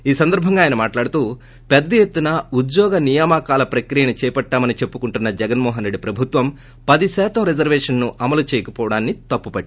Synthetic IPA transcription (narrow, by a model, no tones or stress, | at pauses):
iːsɐnd̪ɐɾbʱɐŋɡaːjɐnɐmaːʈlaːɽut̪uː | pɛd̪ːɐjet̪ːunɐud̪jɔːɡɐnijɐmakaːlɐpɾɐkɾijɐnit͡ʃɛːjpɐʈːaːmɐnit͡ʃe̞pːukuɳʈunːɐd͡ʒɛɡɐnmɔːɦɐnɾe̞ɖːipɾɐbʱut̪ʋɐm | pɐd̪isɛːt̪ɐmɾed͡ʒɐɾʋɛːʂɐnːuʔɐmɐlut͡ʃɛːjɐkɐpɔːʋɐɽaːnːit̪ɐpːupɐɖːi